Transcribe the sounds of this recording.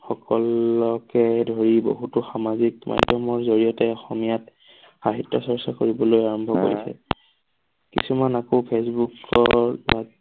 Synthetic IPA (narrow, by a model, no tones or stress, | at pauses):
xɔkɔlɔkɛdʱoɹibo̰ɦutʊxamazikma̰jdʱjɔmɔɹzoɹijɔtɛɔxɔmijat | xaɦitːɔsɔɹsakoɹibɔlojaɹɔmbʱɔko̰ɹisɛ̰ | kḭsumanakopʰesbukɔɹa